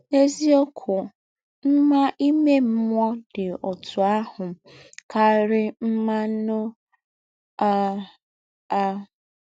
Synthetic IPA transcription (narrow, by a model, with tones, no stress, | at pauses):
e˦zi˦o˦kʰʊ˨ | m̩˦ma˦ʔi˦me˦m̩˦mʷ˦ɔ˦dɪ˨ɔ˨tʰʊ˨a˦hʊ˨ | ka˦ɾɪ˦m̩˦ma˦nʊ˦ | a˦ | a˦